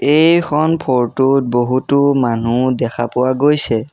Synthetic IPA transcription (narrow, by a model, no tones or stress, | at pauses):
ejkʰɔnpʰoɹtʊt̚boɦutʊmanudɛkʰa̰pʊwaɡojsɛ